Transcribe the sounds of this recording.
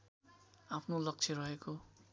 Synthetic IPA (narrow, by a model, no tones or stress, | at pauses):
apʰnolʌk̚t͡sʰeɾʌɦeko